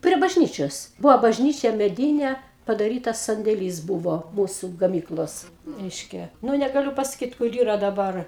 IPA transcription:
pʲrʲiɛ bɐʒʲˈnʲiːt͡ʃʲoːs ˈbʊʋoː bɐʒʲˈnʲiːt͡ʃʲɛ mʲɛˈdʲiːnʲɛ pɐdɐˈrʲiːtɐs sɐnʲdʲeːˈlʲiːs ˈbʊʋoː ˈmuːsʊ ɡɐˈmʲiːklˠoːs ˈrʲɛɪʃʲkʲɛ ˈnʊ nʲɛɡɐˈlʲʊ pɐsɐˈkʲiːt kʊr ˈiːrɐ dɐˈbɐr

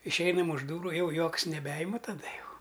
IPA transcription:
ɪʃʲˈɛɪnɐm ʊʃ ˈduːrʊ ˈjɛʊ ˈjuɔks nʲɛˈbʲɛɪmɐ tɐˈdɐ ˈjɛʊ

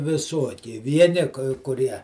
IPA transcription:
ʋʲɪˈsuɔkʲɪ ˈʋʲiɛnʲɪ kɐɪ kʊˈrʲiɛ

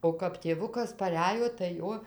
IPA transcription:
oː kɐp tʲeːˈʋʊkɐs pɐˈrʲæjoː tɐɪ ˈjoː

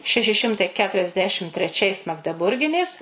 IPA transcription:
ˈʃʲæːʃʲɪ ˈʃʲɪmtɐɪ ˌkʲæːtʊrʲɛzʲˈdʲæːʃʲɪm tʲrʲɛˈt͡ʃʲɛɪs mɐɡdʲɛˈbʊrʲɡʲɪnʲeːs

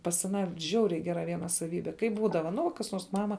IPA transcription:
pɐs ɐˈnɑː ˈʒʲɛʊrʲɛɪ ˈɡʲæːrɐ ˈʋʲiɛnɐ sɐˈʋʲiːbʲɛ ˈkɐɪp ˈbuːdɐʋɐ nʊ kɐs ˈnuɔrs ˈmɑːmɐ

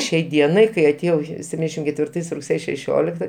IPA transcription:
ˈʃʲɛɪ ˈdʲiɛnɐɪ kɐɪ ɐtʲeːˈjɛʊ sʲɛpʲˈtʲiːnʲdʲɛʃʲɪm kʲɛtʲʋʲɪrˈtɐɪs rʊkˈsʲeːjɛ ʃʲɛˈʃʲoːlʲɪktɐ

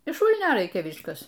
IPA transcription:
ɪʃ ˈʃuːlʲnʲoː ˈrɐɪkʲɛ ˈʋʲɪskɐs

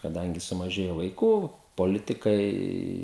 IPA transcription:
kɐˈdɐŋʲɡʲɪ sʊmɐˈʒʲeːjoː ʋɐɪˈkuː poːˈlʲɪtʲɪkɐɪ

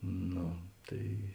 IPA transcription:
ˈnoː ˈtɐɪ

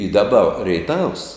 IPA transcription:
ɪ dɐˈbɐ rʲɛɪˈtɐws

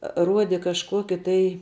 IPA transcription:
ˈruɔdʲɛ kɐʃˈkuɔkʲɪ tɐɪ

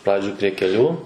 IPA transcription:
ˈprɑːd͡ʒʲoːj pʲrʲiɛ kʲɛˈlʲuː

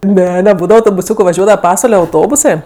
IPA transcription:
ˈnʲɛ nʲɛˈbuːdɐʋɐ ɐʊtoːbʊˈsʲuːkʊ ʋɐˈʒʲuɔdɐʋɐ ˈpɑːsʋɐlʲɛ ɐʊˈtoːbʊsɜ

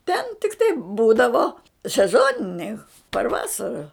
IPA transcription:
tʲɛn tʲɪkˈtɐɪ ˈbuːdɐʋoː sʲɛˈzoːnʲɪnʲɛɪ pɐr ˈʋɑːsɐrɐ

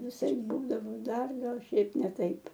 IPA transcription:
ʋʲɪˈsɐɪp ˈbuːdɐʋoː ˈdɐr ˈɡɐlˠ ˈʃʲɛɪp ˈnʲɛ ˈtɐɪp

